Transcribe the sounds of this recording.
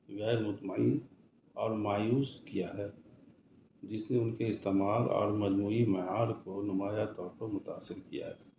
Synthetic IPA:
wɛːluːt̪maːi | ɔːɾmaːjuːskijaɦɛː | d͡ʒɪsneʊnkeɪst̪eːmaːlɔ̰ːɾmɐd͡ʒmuːimɛɦaːɾkonʊmaːjat̪ɔːɾpɐɾmʊt̪aːsːɪɾkija̰ɦɛː

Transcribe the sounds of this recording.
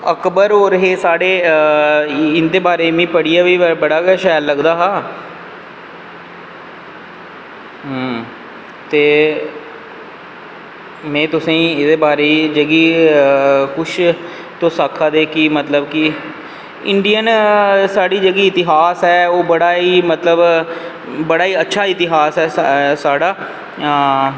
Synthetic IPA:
əkbəɾɦoːɾɦeːsaːɽeː | ɪnd̪eːbaːɾeːmĩːpəɽɪjaːʋiːbəɽaːɡɛːʃɛːlːəɡd̪aːɦãː | ɦə | t̪eː | mɛ̃ːt̪ʊsẽɪd̪eːbaːɾeːd͡ʒəɡiː | kʊʃʰ | t̪õːsaːkʰaːd̪eːkɪmət̪ləbkɪ | ɪɳɖijənsaːɖiːd͡ʒəɡiːɪt̪ɪɦaːsɦɛːoːbəɽaːiːmət̪ləb | bəɽaːiːətːʃʰaːɪt̪ɪɦaːsɦɛːsaːɽaː

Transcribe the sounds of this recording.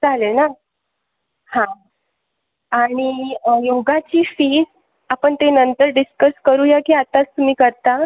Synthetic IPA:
d͡zalena | hã | aɽ̃ijoɡat͡ɕiːfiːs | apəɳt̪enənt̪əɾɖiskəskəɾuːjakiːat̪at͡st̪um̤iːkəɾt̪a

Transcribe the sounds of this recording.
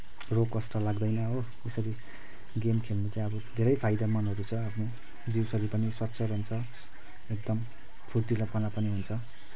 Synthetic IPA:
rokːʌsʈʌlaɡd̪ʌjnʌɦo | esʌɾi | ɡemkʰelmit͡saĩʌbʌd̪ʱeɾʌjpʰajd̪amʌnɦʌɾut͡sʰʌapʰno | d͡ziwsʌɾipʌniswʌtːsʰʌɾɦunt͡sʰʌ | ek̚d̪ʌm | pʰult̪ilapʌnapʌniɦunt͡sʰʌ

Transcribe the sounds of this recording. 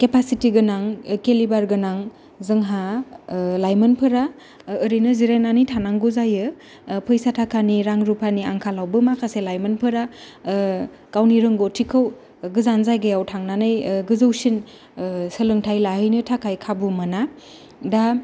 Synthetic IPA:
kepasitiɡɯnaŋkelibaɾɡɯnaŋ | zɯŋɦa | lajmɯnpʰɯɾaː | ɾijnɯziɾenanijtʰanaŋɡuzajɯ | pʰɯjsatʰakʰaniɾaŋɾupʰaniaŋkʰalawbɯmakʰaselajmɐnpʰɯɾa | kawniɾɯŋɡotʰikʰɯw | ɡɯzanzajɡɯjawtʰaŋnanɯjɡɯzɯwsin | səlɯŋtʰajlahɯjnɯtʰakʰajkʰabumɯna | da

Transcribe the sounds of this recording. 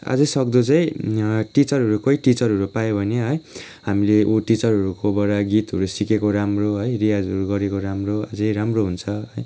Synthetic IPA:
a̰d͡zʌsʌkd̪ot͡saĩʈit͡sʌɾɦʌɾukʌjʈit͡sʌɾɦʌɾupajobʱʌneɦʌj | ɦamileʔoʈit͡sʌɾɦʌɾukobʌɽaɡit̪ɦʌɾusikekoɾamroɦʌjɾijad͡zʌɾuɡʌɾekoɾamroa̰d͡zʌjɾamroɦunt͡sʰʌɦʌj

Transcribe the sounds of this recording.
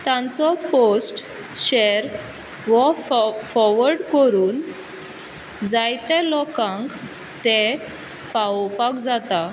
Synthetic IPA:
t̪ãnt͡sɔposʈ | ɕeɾ | ɡɔffɔɾʋəɾɖkəɾuːn | d͡zajt̪ẽlɔkãŋk | t̪e | pawpakd͡zat̪a

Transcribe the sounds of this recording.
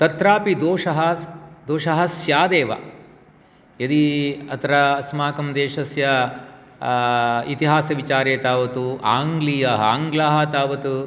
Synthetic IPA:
t̪ɐt̪ɾaːpid̪oːʂɐɦɐd̪oːʂɐɦɐsjaːd̪eːʋɐ̰ | jɐd̪iɐt̪ʰɐɾɐːsmaːkɐmd̪eːʃɐsjɐ | it̪iɦaːsɐʋit͡ʃaːɾeːt̪aːʋɐt̪uʔaːŋɡlijɐɦɐa̰ːŋɡlaːɦɐt̪aːʋɐt̪u

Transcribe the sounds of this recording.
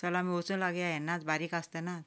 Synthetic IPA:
sɔlamiot͡sunlaɡjaɦenːat͡sbaɾikast̪ena

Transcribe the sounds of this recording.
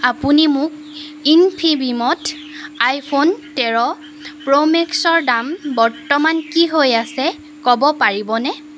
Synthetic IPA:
apunimʊk̚ | inpʰibimɔt | ajpʰontɛɹɔ | pɹomeksɔɹdambɔɹtɔmankiɦojasɛ | kɔbɔpaɹibɔnɛ

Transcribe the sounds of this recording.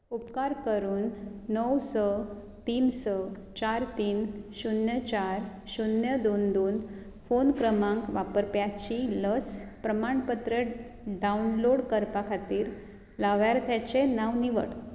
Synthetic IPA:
upkaɾkəɾuːnːəwsə | t̪iːnsət͡ɕaɾt̪iːnɕunjət͡ɕaɾɕunjəd̪ond̪uːn | fonkɾəmãŋkʋapəɾpjat͡ɕiləspɾəmaɳpət̪ɾə | ɖaunloɽkəɾpakʰat̪iːɾ | laʋjaɾt̪ʰjat͡ɕenaʋniʋə̰ʈ

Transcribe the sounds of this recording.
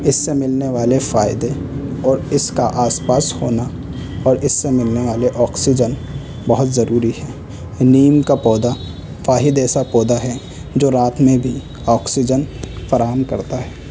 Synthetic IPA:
ɪsːemɪlneʋaːlefaːɪd̪eɔːɾɪskaʔaːspaːshoːna | ɔːɾɪsːemɪlneʋaːleʔɔːksɪd͡ʒən | bɐɦʊt̪zɐɾuːɾiɦɛː | niːmkapɔːd̪a | faːɦɪd̪ɛːsapɔːd̪aɦɛ | d͡ʒoːɾaːt̪mẽbʱi | ɔːksɪd͡ʒənfɐɾaːɦəmkɐ̰ɾt̪aɦɛː

